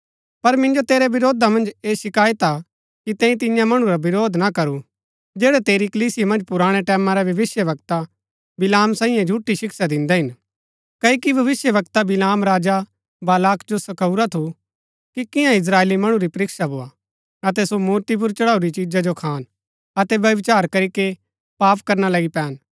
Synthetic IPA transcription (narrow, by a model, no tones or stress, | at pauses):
pɐɾmɪ̃nd͡ʒot̪eːɾɛbɪɾoːd̪ʱamɐ̃nd͡ʒeːʃɪkaːjet̪a | kit̪ɛ̃ːĩt̪̬ɪ̃jãmɐɽ̃ũɾabɪɾoːd̪nakɐɾu | d͡ʒeːɽɛt̪eːɾikɐliːsɪjamɐ̃nd͡ʒpʊɾaːɽ̃eʈɛːmãɾɛbjɐʋɪsjəʋɐkt̪a | bɪlaːmsaːĩjãd͡ʒʱuːʈiʃɪkʃad̪ɪ̃nd̪ɛɦɪn | kɐikibʱɐʋɪsjəʋɐkt̪abɪlaːmɾaːd͡ʒa | baːlaːkd͡ʒosɐkɐuɾat̪ʰu | kikɪ̃ãɪs̬ɾaːeːlimɐɽ̃ũɾipɐɾɪkʃabʱoːa | ɐt̪ɛsomuːɾt̪ip̬ʊɾt͡ʃɐɽaːuɾit͡ʃid͡ʒad͡ʒokʰaːn | ɐt̪ɛʋjɐʋɪt͡ʃaːɾkɐɾike | paːpkɐɾnalɐɡipɛːn